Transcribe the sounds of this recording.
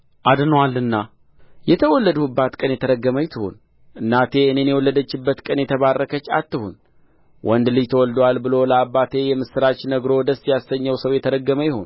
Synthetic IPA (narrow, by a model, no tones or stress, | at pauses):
ʔad̪nwalɨnːa | jɛt̪ʰəwɔlːəd̪uɨbːat̪kʼənjɛt̪ʰəɾəɡːəməjt̪ʰɨhṵn | ʔɨnːat̪ʰe̞ɨne̞njɛwɔlːəd̪ət͡ʃːɪbːət̪kʼənjɛt̪ʰəβarːəkət͡ʃːa̰t̪ːɨhun | wʔɔnd̪lɨd͡ʒt̪ʰəwɔld̪walbɨlo̞ləabːat̪ʰe̞jɛmɨsɨɾat͡ʃːnəɡɾo̞d̪əsjasːəɲːəwsəwjɛt̪ʰəɾəɡːəməjɪho̰n